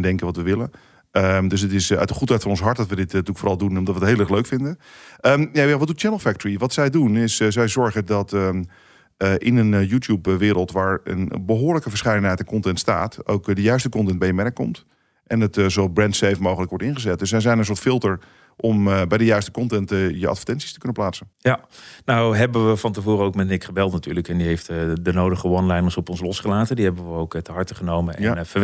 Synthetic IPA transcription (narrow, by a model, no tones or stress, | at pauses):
dɛŋkəʋɔtʋəʋɪlə | ədøsətɪsœ̰ɥtdəχuthɛjtfɑnɔnsɦɑɹt̚dɔtʋədɪttykfoːrɑlˠdunɔmdɑtʋətɦeːləɛxløɥkfɪndəəmjajaʋɔtdut̚t͡ʃɛnəlˠfɛk̚təɹiʋɑtsɛjdunɪssɛjzɔɹχədɔt | əʔɪnənjuːtjupʋɪːɾəlˠtʋaːɹə̰nbəɦoːɹləkəfəɹsχɛjdənɦɛjtɛnkɔntɛntsta̰ːto̰wkdəjœɥstəkɔntɛnd̚bɛjənmɛnəkːɔ̰mt | ʔɛnətzobrɛntsejfmowɣələkʋɔɹtɪnχəzɛt̚dɵsʋɛzɛjnənsʊːɹtfɪlˠtəɹ | ʔɔmbɛjdəjœɥstə̥kɔntɛntjəʔɑ̰tfə̥ɹtɛnsi̥stə̥kɵnəplaːsənjanawɦɛbəʋəfɑntəvoːɾəowkmɛtnɪkχəbɛlˠtnatyːɹləkɛndiɦejftdənowdəχəʋɔnlɛjməɹsɔpɔnslɔsχəlaːtəndiɦɛbəʋəowktəɦɑɹtəχənowmənɛnfə